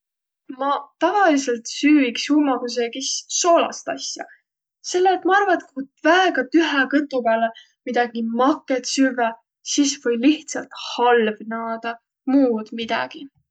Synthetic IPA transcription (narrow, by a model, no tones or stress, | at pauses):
mɑt̪ɑvɑlise̞lt̪syːiksumɑɡ̥us̬ekissoːlɑ̰st̪ɑ̰sjɑ̰ | se̞lːeːt̪ːˑmɑɑrvɑt̪kut̪væeɡ̥ɑt̪yɦekɤt̪ːˑupæːle | mid̪̥ɑɡ̥imɑkːˑet̪syve | sisvɤjliht̪sɑlt̪hɑlvnɑːd̪̥ɑ | muːd̪̥mid̪̥ɑ̰ɡ̥i